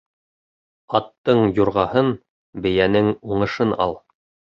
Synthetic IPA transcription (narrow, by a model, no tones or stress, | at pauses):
ɑt̪ːɤɴjuɾʁɑhɤn | bɘ̆jænɘŋuɴɤ̆ʃɤnɑ̰lˠ